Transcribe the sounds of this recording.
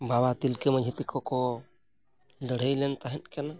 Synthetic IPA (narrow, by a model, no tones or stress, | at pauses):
bawat̪ilkɛmad͡ʒɦit̪ikʰɔkɔ | ləɽ̤əjlɛnt̪aɦɛnkɛna